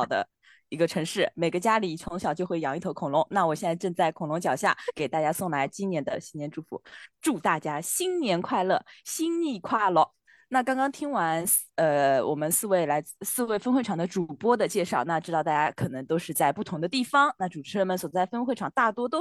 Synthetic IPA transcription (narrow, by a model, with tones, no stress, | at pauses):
ʊd̪ə̰˦ | i˧˥ɡə˧ʈ͡ʂʰɤ˧˥ŋʂɻ̩˥˩me˨˩ɪɡə˧˦t͡ɕja˥li˨˩t͡sʰʊ˧˥ŋɕjɑ˨˩t͡ɕjo˥˧xwe˥˩ɪjɑ˧˥ŋi˥˩t̪ʰo˧˥ʊkʰʊ˨˩ŋlʊ˧˥ŋna˥˩wɔ˨˩ɕjɛ˥˧nt͡sa˥˧ʈ͡ʂɤ˥˧ŋt͡sa˥˩ɪkʰʊ˨˩ŋlʊ˧˥ŋt͡ɕjɑ˨˩ʊɕja̰˥˩ke˨˩ɪt̪a˥˩t͡ɕja˥sʊ˥˩ŋla˧˥ɪt͡ɕi˥njɛ˧˥nd̪ə̰˧ɕi˥njɛ˧˥nʈ͡ʂu˥˩fṵ˧˩˦ʈ͡ʂu˥˧t̪a˥˩t͡ɕja˥ɕi˥nnjɛ˧˥nkʰwa˥˧ɪlɤ˥˩ɕi˥nni˥˧˩kʰwa˥˩lə˥˩ | na˥˩kɑ˥ŋkɑ˥ŋt̪ʰi˥ŋwa˧˥nə˧wʔɔ̰˨˩mə˦nsɹ̩˥˧we˥˩ɪla˧˥ɪt͡s̩˥˧sɹ̩˥˧we˥˩ɪfə˥nxe˥˩ɪʈ͡ʂʰɑ˨˩ŋd̪ə˦ʈ͡ʂu˨˩pwɔ˥d̪ə˨t͡ɕjɛ˥˧ʂɑ˥˩ʊna˥˧ʈ͡ʂɻ̩˥ɑ˥˧ʊt̪a˥˩t͡ɕja˥kʰɤ˨˩nɤ˧˥ŋt̪o˥ʊʂɻ̩˥˧t͡sa˥˧ɪpu˥˩t̪ʰʊ˧˥ŋd̪ə˧t̪i˥˩fɑ˥ŋna˥˩ʈ͡ʂu˨˩ʈ͡ʂʰɻ̩˧˥ɻə˧˥nmə˧˩nswt͡sa˥˩ɪfə˥nxwe˥˩ɪʈ͡ʂʰɑ˨˩ŋt̪a˥˩t̪wɔ˥t̪o˥